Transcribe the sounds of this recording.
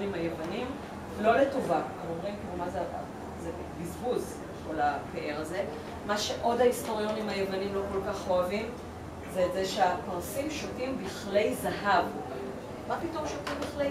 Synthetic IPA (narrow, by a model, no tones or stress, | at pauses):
nimhajevanim | vlo̞le̞tovaazomʁimkilumazea̰ | ze | bizbuz | ko̞lapeʔeʁaze̞ | maʃe̞ʔo̞daisto̞ʁjo̞nimhajevanimlo̞ko̞lkaχoavim | zeːtzeʃeapaʁsimʃotimbiχle̞jzaɦav | mapito̞mʃotimbiχle